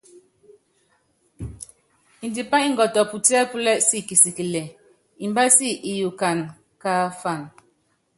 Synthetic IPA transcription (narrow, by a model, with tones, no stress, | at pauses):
i˨ndi˨pa˦i˦ŋ˨ɡɔ˨tɔ˨pu˨ti˦ɛ˦pu˦lɛ˦ʔsi˦ki˨si˨ki˨lɛ˨ | i˨mba˦si˦˨ʔi˨ju˨ka˨n | ka˦fa˦˨n